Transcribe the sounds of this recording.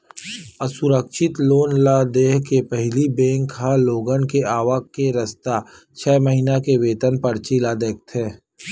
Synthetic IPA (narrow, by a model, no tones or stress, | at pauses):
əsʊɾəkʃɪt̪loːnlad̪eːɦkepɛɦlibẽːŋkɦaloːɡənkeaːʋakkeɾɐst̪a | t͡ʃʰɛːməɦiːnakeʋeːt̪ənpɐɾt͡ʃilad̪eːk̚t̪ɦɛ̃ː